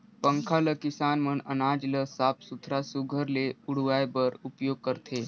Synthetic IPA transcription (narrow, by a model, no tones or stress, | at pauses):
pə̃ŋkʰaləkɪsaːnmənənaːd͡ʒləsaːpʰsʊt̪ʰɾasuɡʱəɾleʊɽ̤ʋaːjbəɾʊpjoːɡ̚kəɾt̪ʰeː